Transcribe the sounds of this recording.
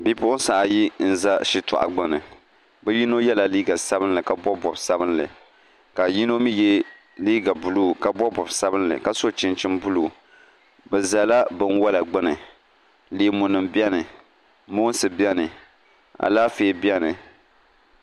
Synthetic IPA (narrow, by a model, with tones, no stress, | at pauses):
bi˦pʊ˦ʔʊ˦n˦sa˨ʔa˨ji˦n̩˨za˦ʃi˦tʊ̰˨ʔa̰˨ɡ͡ba˦nɨ˨ | bɛ˦ji˦no˦jɛ˦la˨liː˦ɡa˨sa˦bɨ˦n˦lɨ˨ka˨bɔ˦bɔ˨bsa˦bɨ˦nlɨ̰˨ | ka˨ji˦no˦mi˦jɛ˦ | liː˦ɡa˨bu˨luː˦˨ka˦bɔ˦bɔ˨bsa˦bɨ˦nlɨ̰˨ka˦˨so˦t͡ʃɪ˦nt͡ʃɪ˦mbʊ˦lu˨ | bɛ˨za˨la˦bɨ˨nwa˦la˨ɡ͡bɨ˦nɨ˨ | liː˨˦mʊ˨nɨ˨mbi˦ɛ˦nɨ˨ | mo˦n˦sɨ˨bjɛ˦nɨ˨ | a̰˨laː˦feː˨˦˨bjɛ˦nɨ˨